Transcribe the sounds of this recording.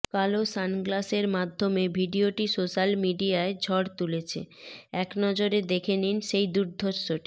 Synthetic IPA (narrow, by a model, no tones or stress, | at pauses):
kalosanɡlaseɾmad̪ʱːomebʱiɖioʈisoʃalmiɖiaed͡ʑʱɔɽt̪ulet͡ɕʰḛɛknɔd͡ʑoɾed̪ekʰeninʃejd̪uɾd̪ʱoɾʃoʈi̥